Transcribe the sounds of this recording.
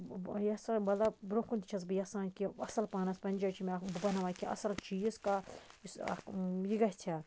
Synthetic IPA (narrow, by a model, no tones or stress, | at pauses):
jɐsanbɐlabɾokunt̪it͡ʃʰɐsbɨjɐsãːnkiɐsɐlpaːnɐspɐnʲd͡ʒɐt͡ʃʰimebbɐnɐʋaːkiʔɐ̰sɐlt͡ʃiːskasjiɡɐɦʲt͡ʃʰa